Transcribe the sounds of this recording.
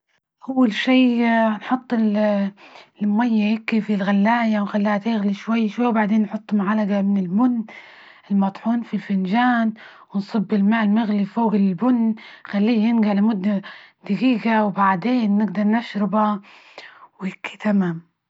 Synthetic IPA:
ʔawːalʃiːnħʊt̪ˤːɪl | majːajɪkːifilɣalːaːjawnxalːiːhat̪eːɣliʃwajːʃwajːwbaʕd̪eːnːħʊt̪ˤːmʊʕalaɡamɪnɪlbʊnː | ɪlmɑt̪ˤħuːnfilfɪnd͡ʒaːn | wɪnsˤɨbːɪlmaːlmɪɣlifoːɣlɪlbʊnːxalːiːjɪnɡaʕlɪmʊd̪ːad̪̥aɡiːɡawbaʕd̪eːnːɪɡd̪ɑɾˤnaʃɾɪba | wjɪkʰːi̥t̪amaːm

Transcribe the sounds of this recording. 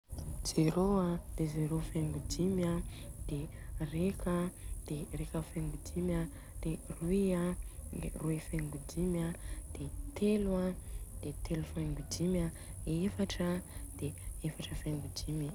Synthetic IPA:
d͡z̥eɾoad̪̥ezeɾofeŋɡud̪ima | d̪̥erekad̪̥erekəfeŋɡud̪ima | d̪̥eruia̰ | ruifeŋɡud̪imad̪̥et̪ʰelwad̪̥et̪ʰelufeŋɡud̪ima | efaʈ͡ʂad̪̥eefaʈ͡ʂəfeŋɡud̪imi

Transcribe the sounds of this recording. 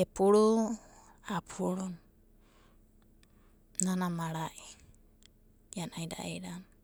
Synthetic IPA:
epʰuɾu | apʰuɾun | nanamaɾaʔi | janaida̰ʔeɾan

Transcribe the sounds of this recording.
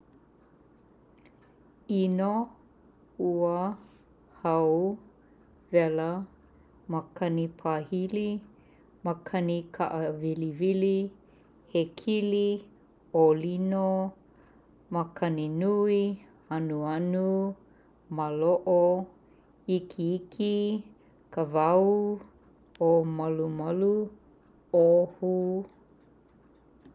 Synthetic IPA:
ino | uə | hɐw | vɛlə | mɐkʰɐnipʰahili | məkʰɐnikʰaʔəvilivili | hekʰili | olino | mɐkʰɐninui | ɐnuɐnu | maloʔo | ikʰiikʰi | kəvɐu | omɐlumɐlu | ohu

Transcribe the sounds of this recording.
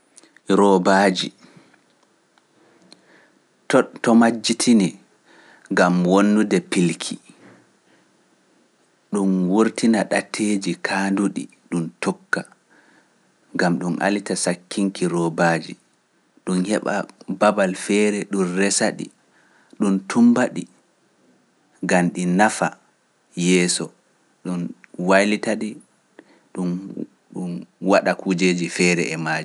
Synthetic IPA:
ɾɔbaːd͡ʒi | ttɔmad͡ʒːitʰini | ŋɡamwonːudɛpilkʰi | ɗumwuɾtinaɗatʰːeːd͡ʒikʰaːnduɗḭ | ɗuntɔkːa | ŋɡamɗumʔa̰litasakʰːiŋkiɾɔbaːd͡ʒḭ | ɗunhɛɓa̰babalfɛːɾɛɗunrɛsaɗḭ | ɗuntumbaɗi | ɡanɗinafa | jɛːsɔ | ɗunwajlitaɗi | ɗun | ɗunwaɗakud͡ʒeːd͡ʒifɛːɾɛ̰ɛmaːd͡ʒi

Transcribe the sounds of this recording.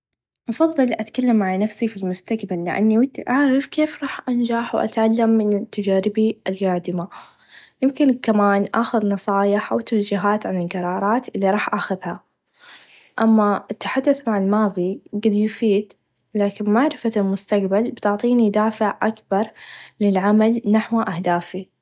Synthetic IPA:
ʔɑfɑðˤːɨlʔat̪kalːamːaʕanafsifilmʊst̪aqbalːɪʔa̰nːiwɪt̪ʔaʕɾɪfkeːfɾˤɑːħʔand͡ʒaːħwʔa̰t̪ʕalːamːɪnɪt̪ːad͡ʒaːɾɪbiʔɪlɡaːd̪ɪma | jɪmkɪnkamaːnʔaːxʊðnɑsˤɑːjɪħʔawt̪ːawd͡ʒɪɦaːt̪ʕanɪlqɑɾˤɑːɾˤɑːt̪ʔɪlːiɾˤɑːħʔaxaðha | ʔamːaɪt̪ːaħad̪ːʊθmaʕɪlmɑːðˤiɡɪd̪jʊfiːd̪ | laːkɪnmaʕɾɪfalmʊst̪aqbalbɪt̪ʊʕt̪ˤiːnid̪aːfɪʕʔakbɑɾˤlɪlʕamalnaħwʔahd̪aːfi

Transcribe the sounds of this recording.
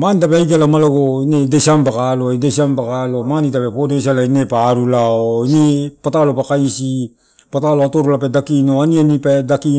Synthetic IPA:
manitapeajk̬elamaloɡoinedesampakaloidesampakalo̞manitape̞podesalainepaɾulaoinepatalopakajsi | pataloatoɾulapedakinoanianipedaki

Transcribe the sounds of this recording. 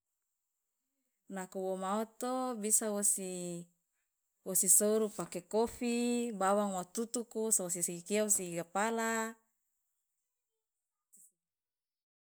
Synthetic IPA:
nakuwomaot̪obisawosi | wosisoɾupakekofibawaŋwat̪ut̪ukusaos̬isikiausikapala

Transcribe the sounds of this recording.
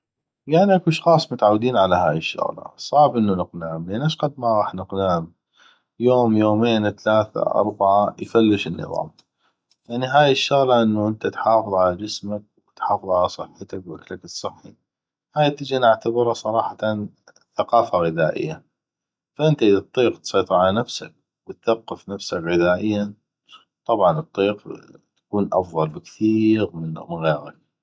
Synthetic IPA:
jaʕniʔakuʃxɑːsˤmʊt̪ʕawːd̪iːnʕalaɦa̰ːjəʃːʊ̰ɣlɑ̰sˤɑːħbʔənːunəqnaːmleːnʔaʃqad̪maɣˤɑːħnəqnaːm | joːmjoːmeːnθalaːθa̰ʔɑ̰ɾˤbaʕajfalːɪʃɪnːɨ̰ðˤɑ̰ːm | jaʕniɦaːjɪʃːʊɣlaʔənːuʔənt̪at̪ħɑːfɨðˤʕalad͡ʒɪsmak̚wɪt̪ħɑːfɨðˤʕalasˤɨħːɪt̪akwʔaklakɨsˤːɨħːi | haːjt̪ːɪd͡ʒanaʕt̪abɪɾɑsˤɑɾˤɑːħɑt̪an | θaqɑːfaɣɪðaːʔɪ̰jːa | faʔɪnt̪aʔɪðt̪ˤːiːqt̪sˤɑjt̪ˤɨɾʕalanafsa̰k̚ | wɪt̪θaqːɨfnafsakɣɪðaːʔɪjːa | t̪ˤɑbʕɑnɨt̪ˤːiːqt̪ḁkuːnʔɑ̰fðˤɑlbɪkθiːɾmɪnmɪnɣeːɾa̰k̚

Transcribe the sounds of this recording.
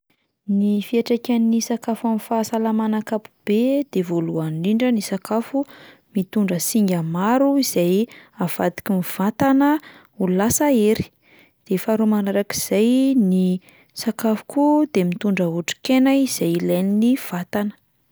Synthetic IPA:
nifiaʈ͡ʂakʲanːisakafamifasalamanakapu̥b̥ed̪̥evoluaɳɖ͡ʐiɳɖ͡ʐənisakafu | mit̪uɳɖ͡ʐəsiŋɡʲamaɾuiz̥ajav̥a̰d̪i̥kʲimiv̥at̪anə | ulasaeɾi̥ | d̪̥efaɾumanaɾaki̥z̥ajni | sakafu̥kud̪emit̪uɳɖ͡ʐəuʈ͡ʂi̥kenaiz̥ajileniniv̥at̪anə̥

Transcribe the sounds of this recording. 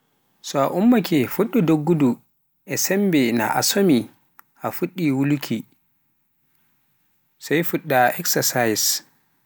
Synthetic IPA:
sɔaʔumːakɛfuɗːudoɡːudu | ʔɛsɛmbɛna̰ʔa̰somi | ʔafuɗːiwulukʰi | sajfuɗːaɛksasajɛs

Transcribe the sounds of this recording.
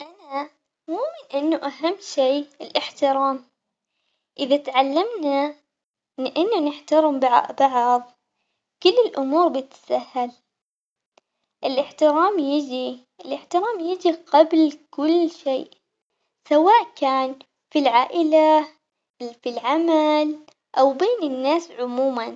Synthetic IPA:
ʔana | muːmɪnʔɪnːuʔaɦamːʃeːɪlʔɪħt̪ɪɾaːm | ʔɪðat̪ʕalːamna | lɪʔɪnːanɪħt̪aɾɪmbɑʕʔbɑʕðˤ | kʊlːɪlʔʊmuːɾbɪt̪sahːal | ʔɪlʔɪħt̪ɪɾaːmjɪd͡ʒi | ʔɪlʔɪħt̪ɪɾaːmjɪd͡ʒiqablkʊlːʃeːʔ | sawaːʔkaːn | filʕaːʔɪla | filʕamal | ʔawbeːnɪnːaːsʕʊmuːman

